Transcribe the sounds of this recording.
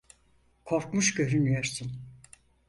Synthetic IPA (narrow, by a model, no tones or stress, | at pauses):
kʰoɾkmuʃɟø̞ɾynyjøɾsun